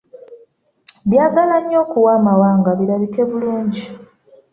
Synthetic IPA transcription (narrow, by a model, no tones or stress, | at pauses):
βjaːɡalaɲːo̞ːkuwaːmawaːŋɡaβiɾaβike̞βuluːɲɟi